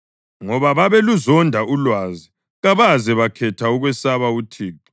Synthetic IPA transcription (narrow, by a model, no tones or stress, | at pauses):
ŋɔβaβaβeluzɔndʱaʔulwazi | ɣaβazɛβakʰɛtʰauɣwɛsaβautʰiːki̥